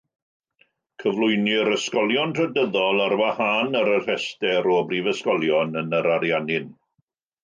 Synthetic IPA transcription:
kʰəvlʊjnɪɾəskɔlˠjɔntrədəðɔlˠarwahanəɾər̥ɛstɛɾɔbrivəskɔlˠjɔnənəɾaɾjanɪn

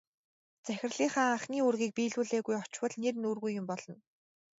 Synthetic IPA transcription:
t͡sæxʲɪ̆rɮiːŋχaːaχniːɵrɣʲiːk̚piːɮuːɮeːɣujɔt͡ɕwə̆ɮnernuːrɣujːʊmpɔɮɞ̆n

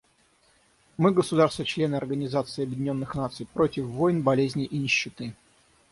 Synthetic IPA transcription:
mɨɡəsʊd̪arst̪vət͡ɕlʲe̞nɨɐrɡənʲɪzat̪sɨɪːɐbʲjɪdʲɪnʲo̞nːɨxnat̪sɨjpɾotʲɪfvo̞jnbɐlʲezʲnʲɪʔinʲɪɕːɪt̪ɨ

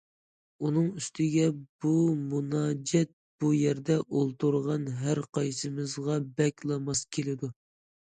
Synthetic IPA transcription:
unɨŋyst̪ʰɪɡʲɛbumunɑːd͡ʒɛt̪̚b̥ujɛɾd̪ɛʔolˠt̪ʰuɾʁɑnɦæɾqɑjsɨmɨzʁɑbɛkʲlˠɑmɑskʲʰelɪd̪u

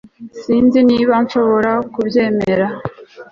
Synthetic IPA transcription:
siːnziniːβanʃo̞βo̞ɾakubje̞ːme̞ɾa

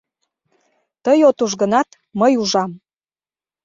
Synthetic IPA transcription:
t̪əjot̪uʒɣənɑt̪ | məjuʒɑm

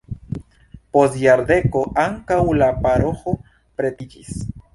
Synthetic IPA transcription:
po̞sjaɾde̞ko̞ʔaŋkawlapaɾo̞xo̞ | pɾe̞tid͡ʒis

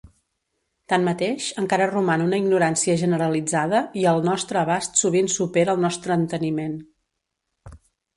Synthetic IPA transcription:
t̪anmət̪eʃəŋkaɾərumanunəiɡnuɾansiəʒənəɾəlid͡zaðəiəlˠnɔst̪ɾəːβast̪suβ̞insupeɾəːlˠnɔst̪ɾəːnt̪ənimen

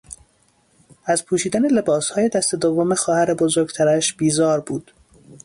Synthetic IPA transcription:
æzpʰuːʃiːd̪æne̞le̞bɒːshɒːje̞d̪æst̪e̞d̪ovːomexɒːhæɾebozoɾɡt̪ʰæɾæʃb̥iːzɒːɾbuːd̪̥

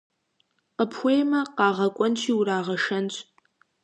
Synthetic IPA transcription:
qəpʰxʷejmɐqɑːʁɐkʷʼɔnt͡ʃʰiːwɾaːʁɐʂɐnt͡ʃʼ

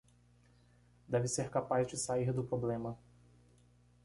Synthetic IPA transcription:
d̪ɛvɪseɾkapazd͡ʒɪsaiɾd̪ʊpɾoblẽmɐ

